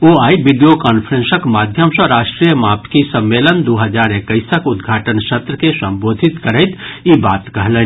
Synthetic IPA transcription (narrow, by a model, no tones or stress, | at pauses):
oaːibiɖijokaːnpʰəɾẽnsəkmaːd̪ʱjəmsə̃ɾaːʃʈɾijəmaːp̚t̪ʰkisə̃mːeːlənd̪oːɦəd͡ʒaːɾekːəɪsəkʊd̪ɡʱaːʈənsət̪ɾəkesə̃mboːd̪ʱit̪kəɾəɪt̪ibaːt̪kəɦlə